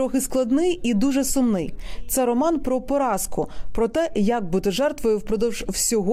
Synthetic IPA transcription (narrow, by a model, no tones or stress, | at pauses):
ɾɔxɪsklˠɐd̪nɪjid̪uʒɛsʊmnɪjt̪sɛɾɔmɑnpɾɔpɔɾɑskʊpɾɔt̪ɛjɐk̚but̪ɪʒɛrt̪ʋɔjʊwpɾɔd̪ɔwʒwsʲɔɦɔ